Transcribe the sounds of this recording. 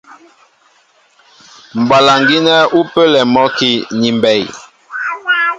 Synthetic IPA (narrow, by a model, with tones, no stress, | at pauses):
m̩˨ba˨la˨ŋɡi˦nɛ˦u˦pə˦lɛ˨mɔ˦ki˦ni˨mbɛ˨j